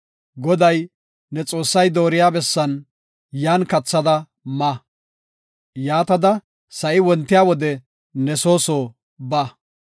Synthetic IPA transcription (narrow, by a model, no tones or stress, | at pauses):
ɡɔd̪ɐj | nɛt͡sʼo̞ːsːɐjd̪o̞ːɾɪjaːbɛsːɐn | jaːnkɐt͡sːɐd̪ɐ | mɐ | jaːt̪ɐd̪ɐ | sɐʔɪwɔnt̪ːɪjaːwɔd̪ɛ | nɛso̞ːsoː | bɐ